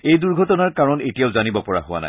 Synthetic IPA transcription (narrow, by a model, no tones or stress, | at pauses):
ejduɹɡʱɔtɔnaɹkaɹɔnetijaʊzanibɔpɔɹa̰ɦʊwa̰na̰j